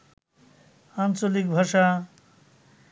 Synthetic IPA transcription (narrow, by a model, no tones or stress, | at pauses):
ant͡ʃolik̚bʱaʃa